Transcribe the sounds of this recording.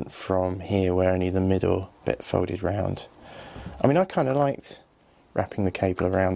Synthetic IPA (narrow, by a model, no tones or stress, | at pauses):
ntfɹə̃mhɪəwəɹɛ̃niðəmɪdl̩ˠb̥ɪ̰tfo̰ʊlˠɾɪ̰dɹãʊ̃nd̥aɪmĩnaɪkʰãɪ̃ndəlaɪk̚t | ɹʔa̰pʰɪ̃ŋðəkʰeɪbəlˠəɹãʊ̃n